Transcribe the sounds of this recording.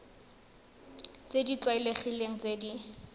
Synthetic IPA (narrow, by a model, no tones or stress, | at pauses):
t͡sedit͡ɬwaileχileŋ̩t͡seːdi